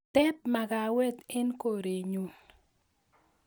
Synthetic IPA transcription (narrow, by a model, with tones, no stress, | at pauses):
t̪ɛ˦p̚ma˨ɡa˨wɛ˦t̪ɛ˦nko˨ɾe˨ɲu˨n